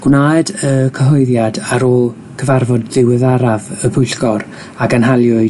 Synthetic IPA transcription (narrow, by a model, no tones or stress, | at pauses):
ɡ̥wnaːdəkʰəɦɔɨðjadaɾɔ | kʰəvarvɔdðɪwɪðaɾavəbʊjɬɡɔɾ | aɡanɦalˠjʊɨ